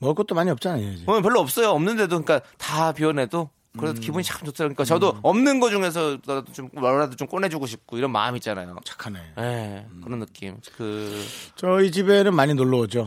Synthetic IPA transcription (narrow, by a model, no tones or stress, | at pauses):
mʌɡʌt̚t͈omaɲiʌp̚t͡ɕ͈anaoid͡ʑiʌʌpjʌɭːoʌp̚s͈ʌjoʌmnɯnde̞dokɯɲik͈atapiʌnɦe̞do | kɯɾesʰʌkibuɲit͡ɕak͈ʰɯmt͡ɕotʰɯɾaɡoɲik͈at͡ɕʌdoʌmnɯnɡʌd͡ʑuŋe̞s̬ʰʌdot͡ɕomʌɭadot͡ɕomk͈onɦe̞d͡ʑuɡuɕʰip̚k͈oiɾʌnma̰ɯmit̚t͡ɕ͈ana̰jo̰t͡ɕḁkʰaneje̞kɯɾʌnːɯk͈ḭmkɯt͡ɕʌit͡ɕibenɯnmaɲinoɭːʌʌd͡ʑo